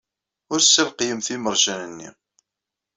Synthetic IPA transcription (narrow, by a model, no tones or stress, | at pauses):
ʊɾsːəlqjəmθiməɾˤʒænənːḭ